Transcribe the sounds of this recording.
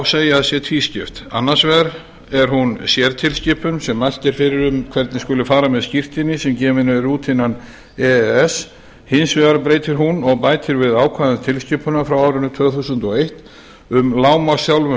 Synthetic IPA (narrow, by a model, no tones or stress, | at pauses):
wseːjaðsjɛt̪ʰviːscɪft̪a̰nːḁsvɛɾ | ɛɾ̥ɦunsjɛɾt̪ʰɪlscɪpʏnsɛmːajl̥t̪ɛɾfɪɾɪɾʏmkʰvɛɾt̪nɪskʏːlɪfaːɾamɛðscir̥t̪ɪnːɪsɛmcɛːmɪnɪɾuːt̪hɪnːan | ɛɛs | hɪnsvɪːðaɾpɾeːjt̪ɪɾɦunɔɣpaːjt̪ɪɾvɪðaːwkʰvaðʏnt̪ʰɪlscɪpʏnafɾawaːwɾʏnʏt̪ʰv̥œθusʏnt̪ɔejht̪ | ʏmlaːwmasjawlvʏ